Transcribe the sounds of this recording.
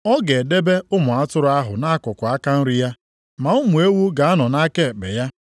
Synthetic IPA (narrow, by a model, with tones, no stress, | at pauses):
ɔ˦ɡe˨de˦be˦ʊ˦mʊ˨a˦tʊ˦ɾʊ˨a˦ɦʊ̰˨na˦kʊ˨kʷʊ˨a˦ka˦n̩˦ɾi˦ja˦ | ma˨ʊ˦mʊ˨e˦wu˦ɡa˨a˦nɔ˨na˦ke˦˨bḛ˨ja˦